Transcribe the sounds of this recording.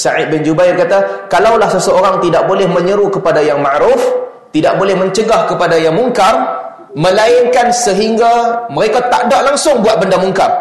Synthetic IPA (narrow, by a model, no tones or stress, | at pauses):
saʔɪd̪̚bɪnd͡ʒubaɪrkat̪akalawlahsəsəoɾaŋt̪idaʔ̚bolɛhmə̃ɲəɾukəpadajaŋmaʔɾʊf | t̪idaʔ̚bolɛhmə̃ɲt͡ʃəɡahkəpadajaŋmuŋkar | mə̃laɪŋkansəɦiŋɡaməɾekat̪a̰ʔdaʔlaŋsʊŋbuat̪̚bəndamuŋkar